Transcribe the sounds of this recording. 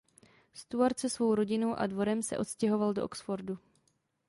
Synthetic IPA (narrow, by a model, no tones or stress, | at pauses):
st̪uaɾt͡sɛsvo̞wɾo̞ɟɪno̞wʔa̰dvo̞ɾɛmsɛ̰ʔo̞t̪scɛɦo̞valdoʔoksfoɾdu